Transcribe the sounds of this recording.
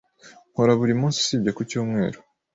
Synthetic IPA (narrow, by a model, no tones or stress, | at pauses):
ŋ̥hoɾaβuɾimũːnsi̥sibɟakucuːmŋe̞ːɾo̥